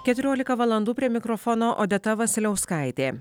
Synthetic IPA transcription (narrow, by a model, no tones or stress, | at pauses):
kʲɛt̪ʲʊɾʲoːlʲɪkɐʋɐlˠɐnd̪uːpʲɾʲiɛmʲɪkɾɔfɔːnoːʔoːd̪ʲɛt̪ɐʋɐsʲɪlʲɛʊskɐˑɪt̪ʲeː